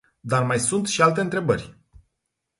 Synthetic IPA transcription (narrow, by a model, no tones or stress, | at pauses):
d̪armajsunt̪ʃialt̪e̞ɨnt̪ɾe̞bərʲ